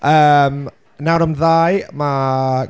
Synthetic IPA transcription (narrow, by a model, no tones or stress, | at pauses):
əːm | nawɾamðajma